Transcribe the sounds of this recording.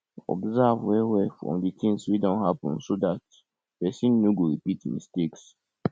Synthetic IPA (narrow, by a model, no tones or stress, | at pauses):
ɔ̰bzavwɛwɛfɹɔ̰̃mditʰĩŋswidɔ̃nhapɔ̃nsodat | pɛsĩnːoɡoɹipitmḭsteks